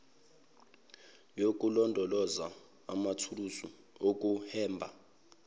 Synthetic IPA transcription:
jok̬ʼulɔndʱɔlɔza̰ː | matʰulusṵ | ok̬ʼuhɛːmbʱa

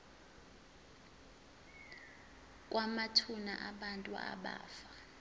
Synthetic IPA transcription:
k̬ʼwamatʰuna̰ʔaɓantʼua̰ɓa̰ːfa

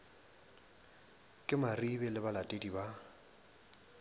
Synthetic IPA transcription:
kʼɪmaribɛlɪbalatʼediba

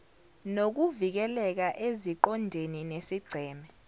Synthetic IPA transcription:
nok̬uvik̬ɛlɛk̬aʔeziǃɔndʱeninesiɡ͡ǀʱɛːmɛ

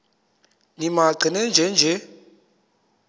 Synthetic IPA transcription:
nimaɡ͡ǀʱinɛnd͡ʒʱɛnd͡ʒʱɛ

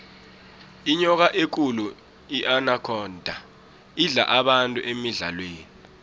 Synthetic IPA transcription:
iɲɔk̬aʔek̬ʼulu | iʔanakʰɔːndʱa | iɮa̰ʔaɓantʼuʔemiɮa̰lweːni

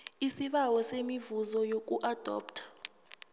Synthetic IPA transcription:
isiɓawɔsemivuzɔjok̬ʼuʔad̥ʱɔ̰ːp̚tʰḁ

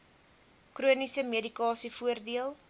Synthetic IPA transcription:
kruənisəmiədikɑːsifuərdiəlˠ

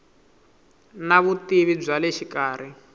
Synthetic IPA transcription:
naβutiβib͡ʐʷalɛʃikaːɾ̤i

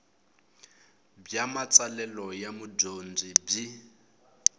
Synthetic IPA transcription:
bjamat͡salɛlɔjamudond͡zib͡ʐi

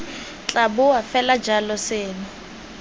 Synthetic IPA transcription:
t͡ɬʼabʊwafɛlḁd͡ʒʱalɔseːnʊ

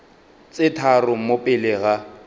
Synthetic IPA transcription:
t͡sʼɪtʰarʊmopʼɪlɪɣa

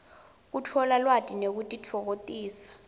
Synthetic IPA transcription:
k̬utʰɔlalwatʼinek̬utʼit͡ɬʰɔk̬otʼiːsḁ

